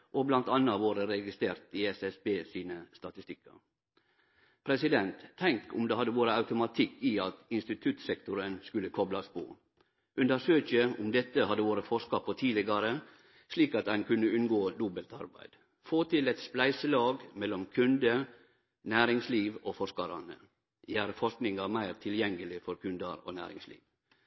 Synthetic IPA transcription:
ʔoblɑnt̪ɑnːəɑʋoːɾəɾɛɡɪst̪ɾeːɾt̪ɪɛsɛsbeːsiːnəst̪ɑt̪ɪst̪ɪkʰːɑ̰ɾ | pʰɾɛsɪd̪ɛnt̪ʰːɛŋkʊ̰md̪eːhɑd̪ːəʋoːɾəɑʉt̪ʊmɑt̪ʰɪkːɪɑt̪ɪnst̪ɪt̪ʰʉt̪sɛkt̪ʊɾənskʉlːəkʰɔblɑspʰɔ̰ː | ʔʉnd̪əɾʂøːçəʊmd̪ɛt̪ːəhɑd̪ːəʋoːɾəfɔʂkɑpʰːɔt̪ʰiːlɪɡɑɾə | sliːkɑt̪ænkʰʉnːəʉnɡoːd̪ʊbəlt̪ɑ̰ɾbæ̰ɪd̪̥ | foːt̪ʰɪlɛt̪splæɪsəlɑːɡmɛlːɔmkʰʉnd̪ə | næːɾɪŋsliːʋoːfɔɾʂkɑɾɑ̰nə̰ | jæːɾəfɔʂknɪŋɑɾmæɪɾt̪ʰɪljɛŋːəlɪfɔɾkʰʉnd̪əɾo̰ːnæ̰ːɾɪ̰ŋslḭːʋ

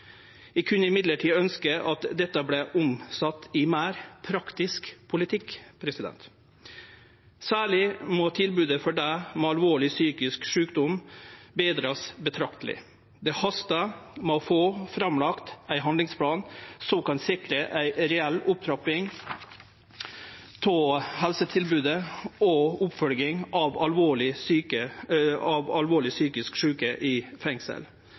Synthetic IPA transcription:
ʋɪkʰʉnəɪmɪd̪ləʈʰiːœnskəʔɑt̪d̪ɛt̪ːəblɛʔʊmsɑt̪ːɪmæːɾpʰɾɑkt̪ɪskpʰʊlɪt̪ʰɪkpʰɾɛsɪd̪ɛ̰nt̪ | sæːɭɪmɔt̪ʰɪlbʉːd̪əfɔɖæːmoːɑlʋoːɭɪsyːkɪskʂʉːkd̪ʊmbeːd̪ɾɑsbət̪ʰɾɑkt̪əlɪ̰ | d̪ɛhɑst̪ɑmofoːfɾɑmlɑkt̪æɪɦɑnd̪lɪŋspʰlɑːnsɔmkɑnsɪkɾəʔæɪɾɛɛlːʊp̚t̪ʰɾɑpɪŋ | t̪ʰɔhɛlsət̪ʰɪlbʉːd̪əɔʊpfœlɡɪŋʔɑʋɑlʋoːɭɪsyːkəɑʋɑlʋoːɭɪsyːkɪskʂʉːkəʔɪfɛŋsə̰l

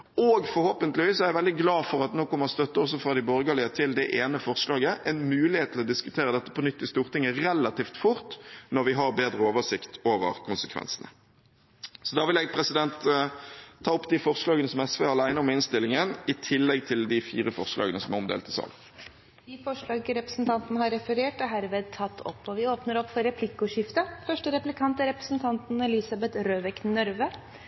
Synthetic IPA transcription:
oɡfɔɾhoːpənt̪lɪʋiːsɔɛɪʋɛld̪ɪɡlɑːfɔʁɑt̪noːkʰɔmːəʁɔst̪œt̪ːəɔs̬ːɔfɾɑːd̪ɪbɔɾɡɑlɪət̪ʰɪld̪ɛʔeːnəfɔʁslɑːɡəʔɛnmʉːlɪheːt̪t̪ɪlɔd̪ɪskʉt̪ʰeːɾəd̪ɛt̪ːə̥pʰɔnʏt̪ːɪst̪uːʁt̪ɪŋːəʁɛlɑt̪iːft̪fʊɾt̪nɔɾʋɪɦɑʁbeːd̪ɾəoːʋəʂɪkt̪ʰoːʋə̰ɾkʰʊnsəkʰʋɛ̰nsənə̰ | sɔd̪ɑːʋɪlɛːɡ̚pʰɾɛsɪd̪ɛnt̪ʰː | ɑːɔpːd̪ifɔʁslɑːɡənəsɔmɛsʋeːʁɑlæɪnəɔmɪnst̪ɪlɪŋənɪt̪ʰɪlːɛɡt̪ʰɪld̪ɪfiːʁəfɔʁslɑ̰ːɡənəsɔmɛɔmd̪ḛːlt̪ʰəsɑ̰ːl | d̪iːfɔʂɭɑːɡəɾɛpɾəsn̩t̪ʰɑnt̪nəhɑɾɛfəɾeːʈɛɦæɾʋeːd̪̚t̪ʰɑt̪ʰːɔ̰pːɔʋɪoːpnəɾɔpːfɔɾɛpʰlɪkʊʂɪft̪əfœʂʈəɾɛplɪkʰɑnt̪əɾɛpɾə̥sn̩t̪ʰɑnt̪n̩ɛlɪsɑbɛt̪ɾøːʋɛknœɾʋə

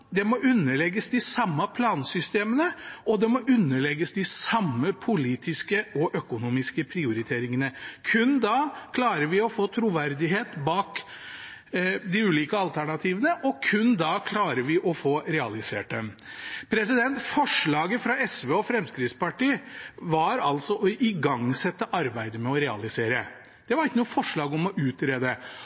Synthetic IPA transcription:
d̪ɛmɔʔʉnːəɭɛɡːəsd̪ɪsɑmːɑpʰlɑːnsʏst̪eːmənəɔd̪ɛmɔʔʉnːəɭɛɡːəsd̪ɪsɑmːəpʰʊliːt̪ʰɪskəɔʔœkʊnuːmɪskəpʰɾɪʊɾɪt̪ʰeːɾɪŋənəkʰʉnd̪ɑkʰlɑːɾəɾʋɪɔfoːt̪ʰɾʊʋæɾd̪ɪɦeːt̪bɑːk | d̪ɪʉːliːkəɑlt̪ʰæɳɑt̪ʰiːʋənəʔɔkʰʉnd̪ɑkʰlɑːɾəʋɪʔɔfoːɾɛɑlɪsḛːʈ̚d̪ɛmpʰɾɛsɪd̪ɛnt̪fɔʂɭɑːɡəfɾɑɛsʋeːɔfɾɛmskɾɪt̪spɑʈiːʋɑɾɑlt̪sɔʔɔʔɪɡɑŋsɛt̪ːəʔɑɾbæɪd̪əmɛɔɾɛɑlɪseːɾə | d̪̥ɛʋɑɾɪkːənuːəfɔʂɭɑːɡɔmɔʔʉːt̪ɾeːd̪ə

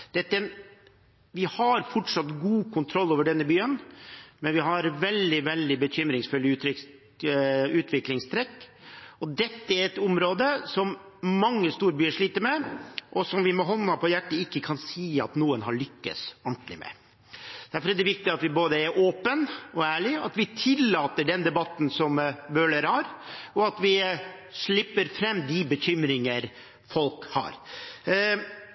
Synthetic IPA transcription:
d̪̥ɛt̪ːəɛn | ʋɪhɑɾfɔʈʂɑt̪ːɡuːkʰʊnt̪ʰɾɔlːoːʋəɖɛnːəbyːənmɛnʋɪɦɑɾʋɛld̪ɪʋɛld̪ɪbəçʏmɾɪŋsfʉlːɪʉːt̪ɾɪ | ʉːt̪ʰʋɪklɪŋst̪ʰɾɛkːɔd̪ɛt̪ːəæɾɛt̪ʊmɾoːd̪əsɔmmɑŋːəst̪uːɾəbyːəʂɭiːt̪əɾmɛʔɔsɔmʋɪmɔɦɔnːɑpʰɔjæʈːəɪkːəkʰɑnsiːɑ̰t̪nuːənɦɑɾɭʏkːə̰sɔɳʈlɪ̰mɛ̰ | d̪̥æɾfɔɾɛd̪ɛʋɪk̚t̪ɪɑt̪ʋɪboːd̪əæɾʔoːpənɔæːɭɪɑ̰t̪ʋɪt̪ʰɪlːɑːt̪əɖɛnd̪ɛbɑt̪ːn̩sɔmbøːləɾhɑɾɔɑt̪ʋɪ | ʂɭɪpːəɾfɾɛmːd̪ɪbəçʏmɾɪŋəɾ | fɔlkhɑ̰ːɾ

